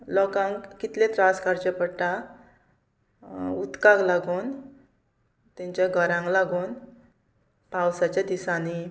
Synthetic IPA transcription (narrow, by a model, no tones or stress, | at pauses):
lɔkãŋkkit̪lẽt̪ɾãskaɾt͡ɕẽpəɽʈã | ut̪kãklaɡuːn | t̪ɛ̃ɲt͡ɕaɡʱəɾãŋɡlaɡuːn | pãwsat͡ɕjad̪isãni